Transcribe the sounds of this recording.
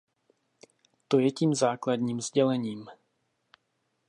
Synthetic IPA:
t̪o̞jɛciːmzaːklad̪ɲiːmzɟɛlɛɲiːm

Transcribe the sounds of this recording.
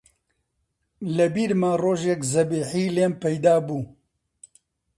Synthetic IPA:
lɐbiːɾmaːroːʒekzɐbeːħiːleːmpɛjd̪aːbuː

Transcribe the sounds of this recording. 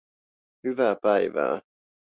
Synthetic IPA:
hyʋæːpæiʋæ̰ː

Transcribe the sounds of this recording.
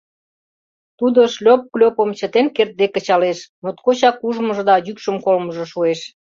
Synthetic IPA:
t̪ud̪əʃlʲop̚klʲopə̆mt͡ɕət̪enkert̪̚d̪ekət͡ɕɑleʃnot̪̚kot͡ɕɑkuʒmə̆ʒə̆d̪ɑjykʃə̆mkolməʒə̆ʃueʃ

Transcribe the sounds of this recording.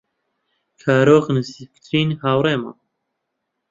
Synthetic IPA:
kʰaːɾoːqnɨsifkt̪ʰɾiːnhaːwɾeːma̰ː

